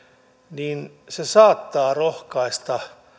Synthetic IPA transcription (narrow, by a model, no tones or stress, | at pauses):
niːn | sesɑːt̪ːɑːrohkɑist̪ɑ